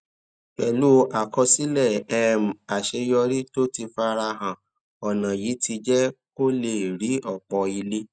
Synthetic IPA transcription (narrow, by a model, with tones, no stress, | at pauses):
k͡pɛ˨lu˦˧ʔa˨kɔ˧si˦lɛ˦˨ɛ˦m̩˨a˨ʃe˧jɔ˧ɾi˦to˦ti˧fa˦˧ɾa˧ɦã˨ | ɔ˨nã˨ji˨˦ti˧d͡ʒɛ˦ko˦le˦˨ɾi˨˦ʔɔ˨k͡pɔ˧i˧le˦